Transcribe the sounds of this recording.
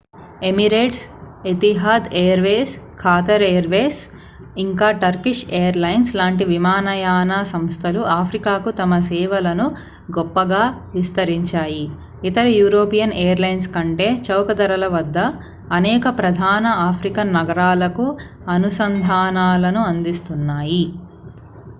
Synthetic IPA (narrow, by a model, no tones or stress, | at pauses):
e̞miɾeːʈs | et̪iɦaːd̪eːjɐɾʋeːskʰaːt̪ɐɾeːɐɾʋeːs | iŋkaːʈɐɾkiʃeːɐɾlɐjnslaːɳʈiʋimaːnɐjaːnaːsɐmst̪ʰɐluʔaːpʰɾikaːkut̪ɐmɐsɛːʋɐlɐnu | ɡɔpːɐɡaː | ʋist̪ɐɾiɲt͡ʃaːji | it̪ɐɾijuːɾoːpijɐnejɐɾlɐjnskɐɳʈe̞ːt͡ʃɐwkɐd̪ɐɾɐlɐʋɐd̪ːɐː | nɛːkɐpɾɐd̪ʱaːnɐaːpʰɾikɐnɐɡɐɾaːlɐku | ɐnusɐnd̪ʱaːnaːlɐnuɐnd̪ist̪unːaːji